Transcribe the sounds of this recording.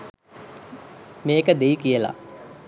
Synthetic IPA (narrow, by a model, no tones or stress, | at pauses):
meːkəd̪ejikijəla̰